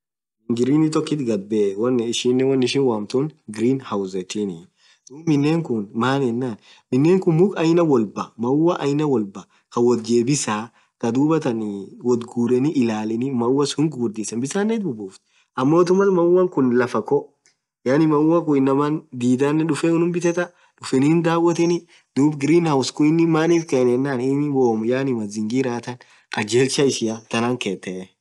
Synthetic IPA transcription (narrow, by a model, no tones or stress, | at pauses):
ŋɡɪɾiːnɪt̪ɔkːɪt̪ɡɐbːeːwɐnːɪʃɪnːɛwɐnːɪʃɪnwaːmt̪uːnɡɪɾiːnhawʊzɛt̪iniːn | d̪̥uːmɪnːeːŋkʊnmaːnɛnːaːn | mɪnːeːŋkʊnmʊkʼɐjnɐwɔlbɐmɐʊwɐʔɐjnɐwɔlbɐ | kɐwɔt̪̚d͡ʒe̞ːbɪsaː | kɐd̪uːbɐt̪ɐnwɔd̪ɡuːɾɛnɪʔɪlaːlɪnɪmɐʊwːɐshʊŋkɡʊɾd̪iːsɐnbɪsaːnːɛt̪̚bʊbuːft̪ | ʔɐmːoːt̪̬ʊmɐlmɐwːɐŋkʊnlɐfɐkɔ | jaːnɪmɐwːɐkʊɪnːɐmɐnd̪iːd̪aːnːɛᶑʊfɛʊnʊnbɪt̪ɛt̪ɐ | ᶑʊfɛnind̪aːwɐt̪ɛnɪ | d̪̥uːbɡɪɾiːnhɐwskʊɪnːɪmaːniːfkɛnɛnːaːnɪnwoːmjaːnɪmɐzɪŋɡiɾaːt̪ɐn | ɐd͡ʒeːlt͡ʃɐɪʃɪat̪ɐnaːŋkeːt̪ːɛ